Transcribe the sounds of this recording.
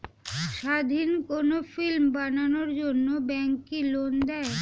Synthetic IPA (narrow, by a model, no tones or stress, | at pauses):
ʃad̪ʱinkonofilmbananoɾd͡ʑonːobɛŋkilond̪ɛe